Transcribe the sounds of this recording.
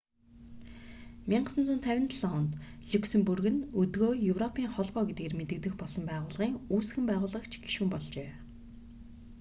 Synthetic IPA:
mʲiɴɢə̆sə̆nt͡sunt̪ʰæwʲɪ̆nt̪ʰɮɔnt̪ɮuksɵ̆mpurɣɘ̆nɵt̪ɣoːjɵwrɔpʰiːŋχɔɮpɔːɡet̪ɡeːrmet̪ɘ̆k̚t̪ɘ̆xpɔɮsɞ̆mpæːʁʊːɮʁiːŋuːsxɘ̆mpæːʁʊːɮʁə̆kt͡ɕʰɡ̥iʃuːmpɔɮt͡ɕeː

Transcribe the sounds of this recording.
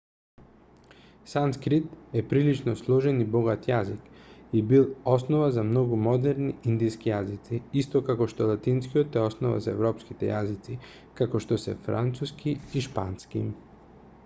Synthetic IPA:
sanskɾit̪ɛpɾilit͡ʃnɔslˠɔʒɛnibɔɡat̪jazikibilˠɔsnɔvazamnɔɡumɔd̪ɛɾniind̪iskijazit̪siist̪ɔkakɔʃt̪ɔlˠat̪inskijot̪ɛɔsnɔva̰zaɛ̰vɾɔpskit̪ɛ̰jazit̪si | kakɔʃt̪ɔsɛ̰fɾʔa̰nt̪suskʰiiʃpa̰nskḭ

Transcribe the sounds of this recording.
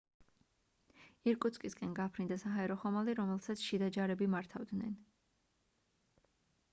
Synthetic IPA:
iɾkʼut̪sʰkʼiskʼɛnɡapʰɾind̪asaɦaɛɾɔχɔmaliɾɔmɛlˠsat̪sʰʃid̪ad͡ʒaɾɛbimaɾt̪ʰavd̪nɛ̰n

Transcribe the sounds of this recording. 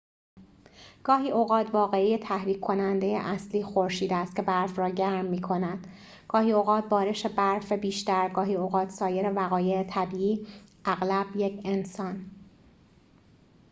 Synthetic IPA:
ɡ̥ɒːɦiːʔoɣɒːt̪ʰvɒːɣe̞ijet̪ʰæhɾiːkʰːo̞nænd̪ejḛʔæsliːxo̞ɾʃiːd̪ææːst̪cʰe̞bæɾfrɒːɟæɾmːiːkʰo̞næd̪̥ | ɡ̥ɒːhiːoɣɒːt̪̚bɒːɾe̞ʃe̞bæɾfebiːʃt̪æɾɡɒːɦiːoɣɒːt̪ʰsɒːje̞ɾe̞væɣɒːje̞et̪ʰæbiːiːʔæɣlæbje̞cʰe̞nsɒːn

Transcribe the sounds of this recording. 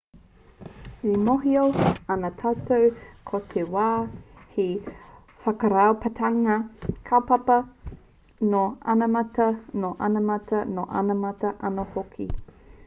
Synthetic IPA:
imoɦioɐnɐtʰatowkʰotʰewaːhe | fɐkəɾaopətʰɐŋɐkʰapɐpɐ | noɐ̰nɐmɐtɐnoʔɐnɐmɐtɐnoʔɐ̰nɐmɐtɐʔɐnohokʰḭ

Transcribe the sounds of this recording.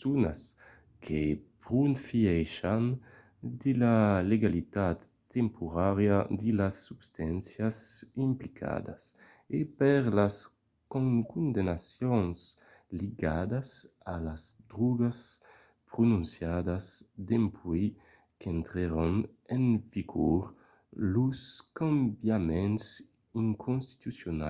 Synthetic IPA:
sunas | kʰepʁunfiɛjʃan | d̪ilaleɡalit̪at̪ːɛmpʰuʁaʁjad̪ilasːubst̪ansjasimplikʰa̰d̪a̰s | epɛʁlas | kkund̪enasjɔns | liɡad̪as | alazd̪ɾuɡas | pɾonũnsjad̪asd̪empʰwi | kɛnt̪ɾeɾɔn | ɛnviɡɔɾ | luskãmbjamɛns | iŋkʰonst̪i̥t̪usjona̰

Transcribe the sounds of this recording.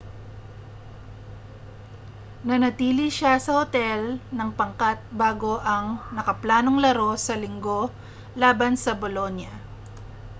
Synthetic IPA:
nɐnɐt̪iːliʃasɐhot̪ɛlnɐŋpɐŋkat̪̚baːɡo̞ʔɐŋnɐkɐplaːno̞ŋlɐɾo̞sɐlɪŋɡo̞ | laːbɐnsɐbolo̞njɐ

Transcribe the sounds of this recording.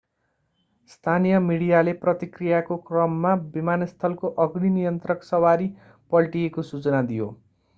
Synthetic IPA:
st̪ʰanijʌmiɽijaleprʌt̪ikrijakokrʌmːabimanʌst̪ʰʌlkoʔʌɡninijʌnt̪rʌksʌwaɾi | pʌlʈijekosut͡sʌnad̪ijo̰

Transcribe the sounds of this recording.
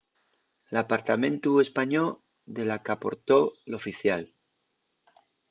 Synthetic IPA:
lapaɾt̪amẽnt̪ue̞spaɲo | d̪e̞lakapo̞ɾt̪o̞lo̞fiθjal

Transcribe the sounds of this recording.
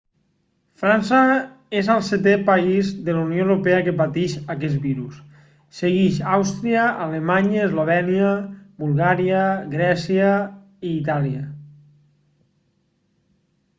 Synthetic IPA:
fɾansə | ezalˠset̪epaizðəlaunjoewɾopeəkəpat̪iʃakɛzbiɾus | seɣiʃawst̪ɾiəalemaɲəezloβ̞ɛniəbulˠɣaɾiəɣɾɛsiə | iːt̪aliə

